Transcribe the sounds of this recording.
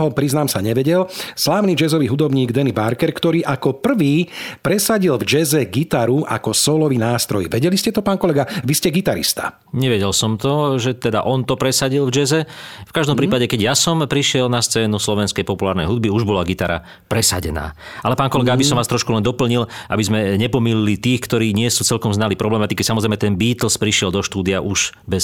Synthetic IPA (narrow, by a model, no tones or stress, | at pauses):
ɦɔpɾiznaːmsaɲɛʋɛɟɛlslaːʋnid͡ʒɛzɔʋiːɦud̪ɔbɲiːɡd̪ɛnibaɾkɛɾkt̪ɔɾiːʔakɔpr̩ʋiːpɾɛsaɟilvd͡ʒɛzɛɡit̪aɾuʔa̰kɔsɔːlɔʋinaːst̪ɾɔ̰jʋɛɟɛliscɛt̪ɔpaːnkɔlɛɡaʋiscɛɡit̪aɾḭst̪a̰ | ɲɛʋɛɟɛlsɔmt̪ɔʒɛt̪ɛd̪a̰ʔɔnt̪ɔpɾɛsaɟilvd͡ʒɛzɛfkaʒd̪ɔmpɾiːpaɟɛkɛɟjasɔmpɾiʃɪɛlnast͡sɛːnuslɔʋɛnskɛjpɔpulaːɾnɛjɦud̪̚biuʒbɔlaɡit̪aɾa̰ | pɾɛsaɟɛ̰na̰ː | ʔalɛpaːnkɔlɛɡaabisɔmʋaːst̪ɾɔʃkulɛnd̪ɔpl̩ɲilʔa̰bizmɛɲɛpɔmililit̪iːxkt̪ɔɾiːɲɪɛsuːt͡sɛlkɔmznalipɾɔblɛmat̪ikisamɔzɾɛɪmɛt̪ɛnbiːt̪l̩spɾiʃɪɛld̪ɔʃt̪uːd̪ijaʔuʒbɛs